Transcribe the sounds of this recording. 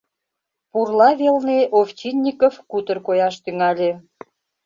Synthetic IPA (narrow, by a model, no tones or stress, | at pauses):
purlɑβelneʔoft͡ɕinʲːikofkut̪ə̆rkojɑʃt̪yŋɑlʲe